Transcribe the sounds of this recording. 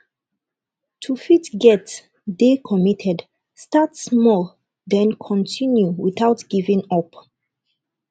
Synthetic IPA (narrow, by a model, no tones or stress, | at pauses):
tʰufitɡɛt | dekʰɔmitʰɛd | statsmɔl | dɛ̃nkʰɔ̃ntʰĩnjuwiθatɡ̥ivĩŋɔp